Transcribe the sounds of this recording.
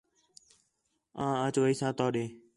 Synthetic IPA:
ãːət͡ʃʋəiːsãːt̪ɔːɗeː

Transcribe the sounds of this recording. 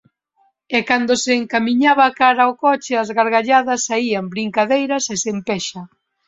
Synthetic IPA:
ɛkand̪oseːŋkamiɲaβakaɾaokɔt͡ʃɪazɣaɾɣaʎaðɐsːaiɐmbɾiŋkaðejɾɐsesempɛʃɐ

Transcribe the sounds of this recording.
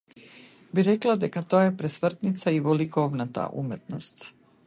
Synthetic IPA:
biɾɛklˠad̪ɛkat̪ojaɛpɾɛsʋr̩t̪nit̪saivɔlikɔvnat̪a̰ʔṵmɛt̪nost̪

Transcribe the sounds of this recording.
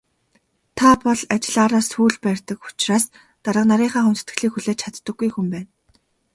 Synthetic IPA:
t̪ʰapɔɮat͡ɕɪ̆ɮaːɾaːsxuːɮpæːrʲt̪ə̆kʊ̥t͡ɕraːs | t̪aɾə̆qnaɾiːɴχaːχɵmt̪̆ʰt̪ɡɘ̆ɮiːkxuɮeːt͡ɕʰat̪ːə̆ɡːujxumpæːn

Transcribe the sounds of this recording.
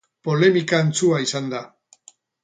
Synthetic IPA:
po̞le̞mikaent͡suaisand̪a

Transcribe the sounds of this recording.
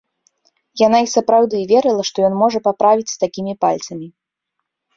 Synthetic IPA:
jan̪aisɐpɾawd̪ɨvʲɛɾɨlˠɐʂt̪ɔjɔnmɔʐɐpapɾavʲit͡sʲst̪akʲimʲipalʲt̪sɐmʲi

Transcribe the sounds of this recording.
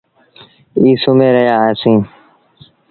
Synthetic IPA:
iːsʊmẽːɾəɦjaːeːsĩː

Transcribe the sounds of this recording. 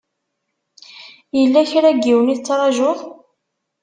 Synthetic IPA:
jəlːæçɾæɡːiwəniθət͡sːɾˤɑʒʊð

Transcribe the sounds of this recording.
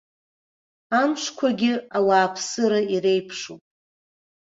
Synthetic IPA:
amʃkʷʰaɡʲɪawaːpʰsɨɾaiɾe̞jpʰʂupʼ

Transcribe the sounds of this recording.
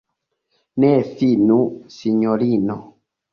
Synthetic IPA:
nɛfinũsiɲɔlinɔ

